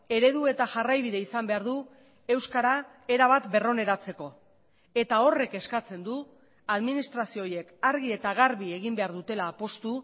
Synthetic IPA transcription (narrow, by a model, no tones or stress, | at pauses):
e̞ɾe̞ðue̞t̪aʝarajβiðe̞isambe̞aɾðu | e̞wskaɾa | e̞ɾaβ̞at̪be̞ro̞ne̞ɾat͡se̞ko̞ | e̞t̪ao̞re̞ke̞skat͡se̞nd̪u | aðminist̪ɾasioje̞kaɾɣie̞t̪aɣaɾβie̞ɣimbe̞aɾðut̪e̞laːpo̞st̪u